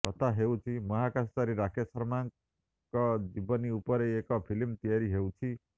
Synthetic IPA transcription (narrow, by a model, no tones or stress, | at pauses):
kʌt̪aɦewt͡sʰimʌɦakast͡saɾiɾakʰesʌɾmaŋ | kʌd͡zibʌniupʌɾeekʌpʰilimt̪ijaɾiɦewt͡sʰi